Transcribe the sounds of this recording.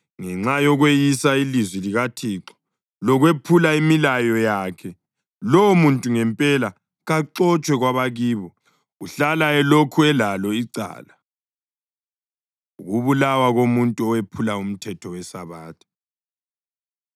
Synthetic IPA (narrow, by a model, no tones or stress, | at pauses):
ŋɛŋ͡ǁajɔɣwejisailizwiliɣatʰiǁɔ̥ | lɔɣwepʰulaimilajɔjakʰɛ | lɔmuntʼuŋɛmpʼɛla | ɣaǃɔt͡ʃʼwɛɣwaβaɣiːβɔ | uɬalaɛlokʰuɛlalɔiǀa̰ːla | uɣuβulawaɣomuntʼuɔwepʰulaum̩tʰɛtʰɔwɛsaβaːtʰḁ